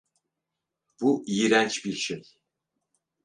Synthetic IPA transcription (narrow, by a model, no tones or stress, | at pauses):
b̥uʔijiɾænt͡ʃbiɾʃej